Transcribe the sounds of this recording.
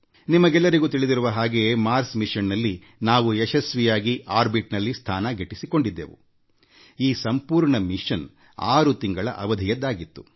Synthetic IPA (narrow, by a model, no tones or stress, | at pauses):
nimɐɡɛlːɐɾiɡuːt̪iɭid̪iɾuʋɐɦaːɡe̞maːɾsmiʂɐnːɐlːi | naːʋuɛʃɐsʋijaːɡiʔaːɾbiʈnɐlːist̪ʰaːnɐɡʱeʈːisiko̞ɳɖid̪ːḛːʋṵ | iːsɐmpuːɾɳɐmiʂɐn | a̰ːɾut̪iŋɡɐɭɐ̰ʔɐʋɐd̪ʱijɐd̪ːaːɡit̪ːu̥